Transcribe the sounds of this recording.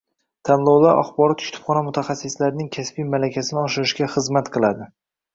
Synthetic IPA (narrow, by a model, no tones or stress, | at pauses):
t̪ʰanlˠɒwlˠaɾʔa̰χbɒɾɒt̪ʰʊʃt̪ʰʊ̥fχɒnamʊt̪ʰaχasːɪslaɾnɪŋkʲʰaspijmalakʲʰasɪnɪɒʃɪɾɪʃɡʲaχɨzmat̪qʰɨlˠad̪ɪ